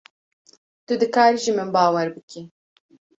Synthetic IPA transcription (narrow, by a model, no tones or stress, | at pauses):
t̪ʊd̪ɨkaːɾiʒimɨnbaːwɛɾbɨkʰi